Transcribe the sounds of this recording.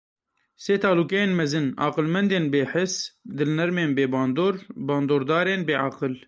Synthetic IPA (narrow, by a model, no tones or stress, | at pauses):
seːt̪ʰɑːluːkɛjeːnmɛzɨnʔɑ̰ːqɨlmɛnd̪eːnbeːħɪsd̪ɨlnɛɾmeːnbeːbɑːnd̪oːɾbɑːnd̪oːɾd̪ɑːɾeːnbeːʕaqɨl